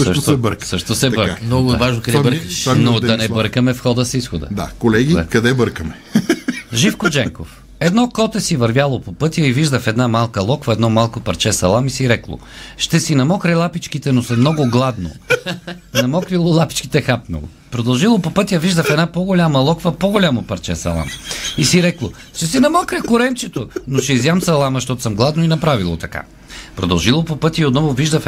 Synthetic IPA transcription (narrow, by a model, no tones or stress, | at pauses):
sʃsəʃt̪ɛbəɾksəʃt̪osɛbəɾamnɔɡʊɛavaʒnokɐd̪ɛbəɾkʃnodd̪ɐnɛbɤɾkəmɛfxɔd̪əsisxod̪ə̰d̪a̰kolɛɡiɛkɐd̪ɛbəɾkəmɛ | ʒifkod͡ʒɛŋko̰f | ɛd̪nɔkɔt̪ɛsivɐɾvʲjalˠopopɤt̪jəiviʒd̪əfɛd̪namalˠkəlˠɔkvəɛd̪nɔmalˠkopɐɾt͡ʃɛsɐlˠamisiɾɛklˠo̰ʃt̪ɛsinɐmɔkɾɛlˠapit͡ʃkit̪ɛnosɐmnɔɡʊɡlˠad̪no̰ | nɐmɔkvilˠolˠapi̥t͡ʃkit̪ɛxapno̰lˠo̰ | pɾod̪ɐlˠʒilˠopopɤt̪jəviʒd̪əfɛd̪napoɡolʲamɐlˠɔkvɐpoɡolʲamopɐɾt͡ʃɛsɐ̰lˠa̰misiɾɛklˠo | ʃt̪ɛsinɐmɔkɾɛkoɾɛnt͡ʃɛt̪onoʃɛizjamsɐlˠamɐʃt̪ɔt̪o̥səmɡlˠad̪noinɐpɾavilˠo̰t̪ɐka̰ | pɾod̪ɐlˠʒilˠopopɤt̪ʲəiot̪nɔvoviʒd̪əf